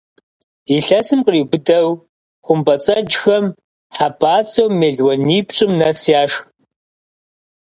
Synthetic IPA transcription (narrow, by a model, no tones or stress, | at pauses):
iɬɐsɨmqriːbʷʊdɐw | χʷʊmbɐt͡sʼɐd͡ʒxɐm | ħabaːt͡sʰʼɐwmeːɮwɐniːpt͡ʃʼɪmnɐsjaːʂx